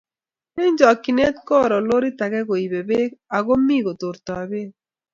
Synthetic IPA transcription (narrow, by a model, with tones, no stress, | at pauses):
e˦ɲd͡ʒɔ˨ki˨ne˦t̪̚kɔ˦ɾɔ˨lo˦ɾi˦t̪a˨ɣɛ˦ɣo˨i˨be˨be˦ka˨ɣo˦mi˦ɣo˨t̪o˨ɾt̪ɔ˨a˨βe˦